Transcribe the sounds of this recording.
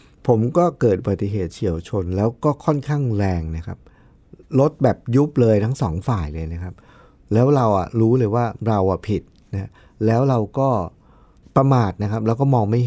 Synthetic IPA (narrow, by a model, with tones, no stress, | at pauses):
pʰo˩˦mkɔː˥˩kɤː˨˩t̪̚ʔu˧ba˨˩t̪ːi˨˩ɦeː˨˩t̪̚t͡ɕʰi˨˩˦əwt͡ɕʰo˧nlɛː˦˥wkɔː˥˩kʰɔ˥˩nkʰaː˥˩ŋɾɛː˧ŋna˦˥kʰa˦˥p̚ | lo˦˥t̪̚bɛː˨˩p̚ju˦˥p̚lɤː˧jt̪ʰa˦˥ŋsɔː˩˦ŋfaː˨˩jlɤː˧jna˦˥kʰa˦˥p̚ | lɛː˦˥wɾa˧wʔa̰˨˩ɾuː˦˥lɤː˧jwaː˥˩ɾa˧wʔa˨˩pʰi˨˩t̪̚ | na˦˥a˦˥ | lɛː˦˥wɾa˧wkɔː˥˩ | pɾa˧maː˨˩t̪̚na˦˥kʰa˦˥p̚lɛː˦˥wkɔː˥˩mɔː˧ŋma˥˩j